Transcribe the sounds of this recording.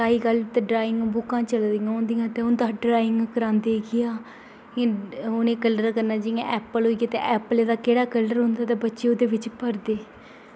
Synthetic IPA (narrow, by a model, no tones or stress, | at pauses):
saːiːkəlt̪eɖɾaːɪ̃ŋɡbʊkãːt͡ʃəld̪iãːõːnd̪ijãːt̪eːʊ̃nd̪aːɖɾaːɪŋɡkəɾãːnd̪eːɡɪjãː | ʊnẽːkələɾkəɾnaːd͡ʒɪjãːʔɛːpəlɦoːiɡaːt̪ḛʔɛːpəleːd̪aːkeːɽaːkələɾɦʊnd̪aːt̪eːbətːʃeːoːd̪eːʋɪt͡ʃpəɾd̪eː